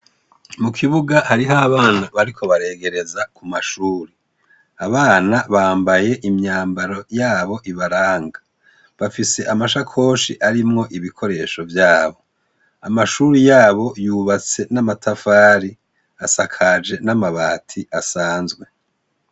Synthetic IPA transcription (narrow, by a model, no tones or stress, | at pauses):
mukʰiβuɡahaɾiɦaβaːnaβaɾikʰo̞βaɾe̞ːɡe̞ɾe̞zakumaʃuːɾi | aβaːnaβaːmbaje̞ʔimɲaːmbaɾo̞jaːβo̞ʔiβaɾaːŋɡa | βafise̞ʔamaʃakʰo̞ːʃiʔaɾimŋo̞ʔiβikʰo̞ɾe̞ːʃo̞vjaːβo̞ | amaʃuːɾijaːβo̞juːβat͡se̞namatʰafaːɾi | asakʰad͡ʒe̞namaβaːtʰiʔasaːnzɡwe̞